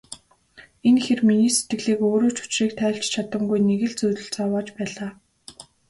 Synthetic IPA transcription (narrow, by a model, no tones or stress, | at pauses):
enxerminiːset̪ɡɘ̆ɮiːkoːɾoːt͡ɕʊ̥t͡ɕriːk̚t̪ʰæːɬt͡ɕt͡ɕʰat̪ə̆mɡujneɣɘ̆ɮt͡sujt̪ɵ̆ɬt͡sawaːt͡ɕpæːɮaː